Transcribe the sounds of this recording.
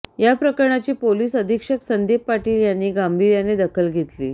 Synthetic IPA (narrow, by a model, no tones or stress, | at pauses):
japɾəkəɾɳat͡ɕiːpoliːsəd̪ʱikʂəksənd̪eppaʈiːljanːiːɡambʱiɾjaned̪əkʰəlɡʱet̪lḭː